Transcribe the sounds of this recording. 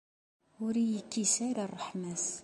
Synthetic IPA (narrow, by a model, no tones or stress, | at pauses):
ʊɾijəkːisaɾarˤːəħmæs